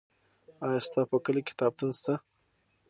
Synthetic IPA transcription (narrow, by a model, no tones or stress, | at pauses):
ɑjast̪ɑpəkəlikɪ̥t̪ɑb̚t̪unst̪a